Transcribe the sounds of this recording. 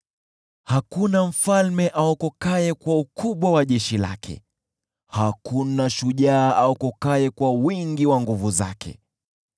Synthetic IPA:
hakunam̩falmɛʔaɔkɔkaɛkwaukʰuɓwawaʄɛʃila̰kʰɛ̰ | hakunaʃuʄaːʔaɔkɔkaɛkwawiŋɡiwaŋɡuvuza̰kʰɛ̰

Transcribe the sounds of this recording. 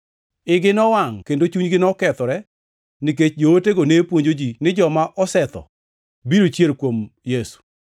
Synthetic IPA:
ɪɡɪnɔwaŋkendot͡ʃuɲɡɪnɔkɛt̪ɔɾɛ | niket͡ʃd͡ʒowoteɡonepwoɲd͡ʒod͡ʒinɪd͡ʒɔmaʔɔsɛt̪ɔ̰ | biɾot͡ʃjelkwomjesu̥

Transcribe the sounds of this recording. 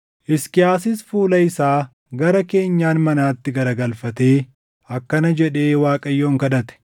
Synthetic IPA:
ʔɪskɪaːsɪsfuːlɐɪsaː | ɡɐɾɐke̞ːɲːaːnmɐnaːt̪ːɪɡɐɾɐɡɐlfɐt̪e̞ː | ɐkːɐnɐd͡ʒɛᶑe̞ːwaːkʼɐjːo̞ːŋkɐᶑɐt̪ɛ̥

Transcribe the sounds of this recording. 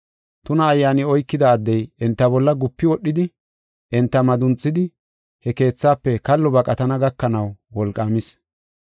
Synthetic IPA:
t̪ʊnɐːjːaːnɪɔjkːɪd̪ɐːd̪ːɛjɛnt̪ːɐbɔlːɐɡʊpːɪwɔɗːɪd̪ɪ | ʔɛnt̪ːɐmɐd̪ʊnt͡sʼːɪd̪ɪ | hɛke̞ːt͡sːaːpːɛkɐlːɔbɐkʼɐt̪ɐnɐɡɐkːɐnɐwwɔlkʼːaːmɪs

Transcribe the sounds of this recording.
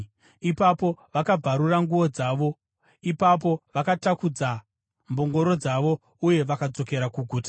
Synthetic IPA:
ipapo̞ʋakab͡vʱaɾuraŋɡuʋo̞d͡zaʋo̞ | ipap̬o̞ʋakatakud͡za | mbo̞ŋɡo̞ɾo̞d͡zaʋo̞ | uje̞ʋakad͡zo̞ke̞ɾakuɡʱuːta

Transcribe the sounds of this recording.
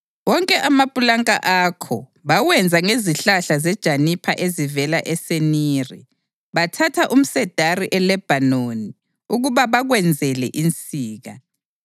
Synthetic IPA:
wɔŋkʼɛʔamapʼulaŋkʼa̰ʔaːkʰɔ̰ | βawɛnd͡zʱaŋeziɬaɬazɛd̥ʒ̥ʱanipʰaʔezivɛlaʔɛseniːrḭ | βatʰatʰaʔum̩sɛd̥ʱariʔɛlɛb̥ʱanoni | uɣuβaβaɣwɛnd͡zʱɛlɛʔint͡sʼiːɣa

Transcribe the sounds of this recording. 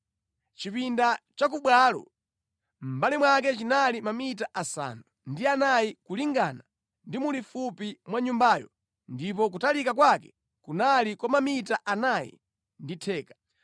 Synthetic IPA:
t͡ʃipindat͡ʃak̬uɓwalɔ̰ | m̩balimwak̬ɛt͡ʃinalimamit̬aʔasa̰nundianajikuliŋɡaːna | ndimulifupimwaɲumbajɔ̰ | ndip̬ɔk̬utalikak̬wakɛ̥ | kunalikwɔmamitaʔanajḭ | nditʰɛːkḁ

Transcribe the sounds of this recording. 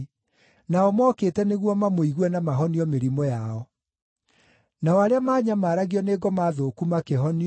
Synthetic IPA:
naɔmɔːkeːtɛneɣwɔmamoiɣwɛnamaɦɔniɔmeɾimɔjaɔ | naɔaɾeamaːɲamaːɾaɣiɔneɡɔmaðoːkumakeɦɔni

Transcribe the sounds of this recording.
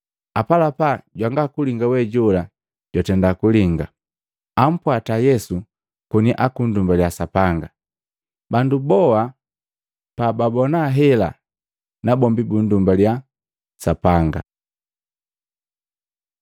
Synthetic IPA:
apalapaɟwaŋɡakuliŋɡawɛɟula | ɟwatɛndakuliŋɡa | am̩pwatajɛsu | kuniʔakun̩dumbaljasapaŋɡa | bandubɔa | pababɔnaɦɛla̰ | nabɔmbibun̩dumbalja | sapaŋɡa̰

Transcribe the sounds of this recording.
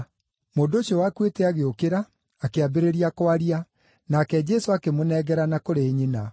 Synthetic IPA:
moːndooɕjɔwakwetɛaɣeokeɾaː | keabeɾeɾiakwaɾia | nakɛd͡ʒɛsoakemonɛɣɛɾanakoɾeɲina

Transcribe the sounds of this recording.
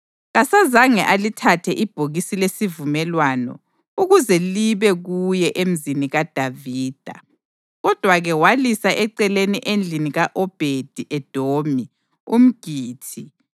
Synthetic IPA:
ɣasazaŋɛʔalitʰatʰɛʔib̥ʱoɣisilesivumɛlwanɔ̰ | uɣuzɛliβɛɣujɛʔem̩ziniɣad̥ʱaviːd̥ʱa̰ | ɣɔd̥ʱwaɣɛwalisaʔɛǀɛleniʔend͡ɮʱiniɣaʔɔb̥ʱed̥ʱiʔɛd̥ʱoːmi | um̩ɡ̥ʱiːtʰi

